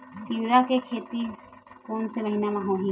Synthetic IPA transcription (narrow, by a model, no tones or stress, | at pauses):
tiɾakekʰet̪ikoːnseɾɐɦinamaɦõɦĩ